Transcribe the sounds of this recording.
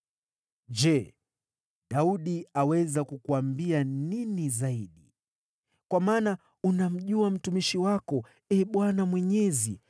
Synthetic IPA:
d͡ʒɛ | ɗauɗiawɛzakukuambianinizaiɗi | kwamaːna | unam̩ʄuam̩tumiʃiwakɔ | ɛɓwanamwɛɲɛzḭ

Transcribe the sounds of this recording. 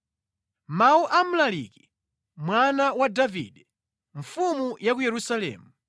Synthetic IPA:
mauʔamulaliki | mwanawadavḭɗɛ | ɱ̩fumujak̬ujɛɾusalɛ̰ːmu

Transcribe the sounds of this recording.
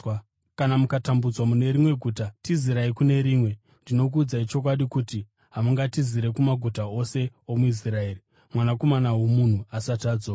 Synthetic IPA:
kanamukatambud͡zwamune̞ɾimwe̞ɡʱuːtatiziɾaikune̞ɾiːmwe̞ | ndino̞k̬uːd͡zait͡ʃo̞k̬waɗikuti | ɦamuŋɡatiziɾe̞kumaɡʱutao̞se̞o̞muis̬rae̞ːri | mwanako̞manawo̞mun̤uasataːd͡zo

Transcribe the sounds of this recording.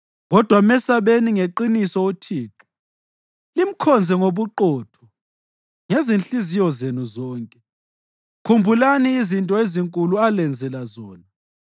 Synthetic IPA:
ɣɔd̥ʱwamɛsaβeniŋeǃinisɔotʰiːǁu̥ | lim̩kʰɔnd͡zʱɛŋoβuǃɔːtʰɔ̥ | ŋezinɬizijɔzenuzɔːŋkʼɛ | kʰumbʱulaniːzintʼɔeziŋkʼulualɛnd͡zʱɛlazɔːna

